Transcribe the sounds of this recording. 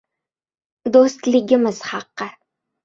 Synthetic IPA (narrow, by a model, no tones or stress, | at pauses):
d̪ost̪lɪɡʲɪmɪz̥hɑqːɨ